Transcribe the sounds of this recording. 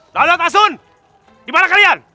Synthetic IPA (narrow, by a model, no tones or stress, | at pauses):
dalot̪as̬ʊn | dimanakalian